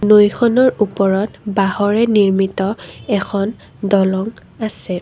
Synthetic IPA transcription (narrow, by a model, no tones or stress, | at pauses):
nojxʰɔnɔɹupɔɹɔtbahɔɹɛniɹmitɔɛkʰɔn | dɔlɔŋ | asɛ